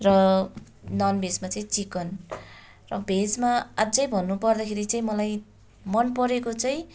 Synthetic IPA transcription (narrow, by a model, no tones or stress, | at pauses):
rʌ | nʌnbʱesmat͡saĩt͡sikʌn | rʌbʱed͡zmaad͡zʌjbʱʌnːupʌrd̪akʰeɾit͡saĩmʌlaj | mʌnpʌɾekot͡sʌĩ